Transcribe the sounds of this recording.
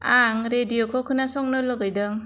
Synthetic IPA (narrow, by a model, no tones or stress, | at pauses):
aŋɾedijɔkʰɔkʰɯnasɔŋnɯlɔɡajdɯŋ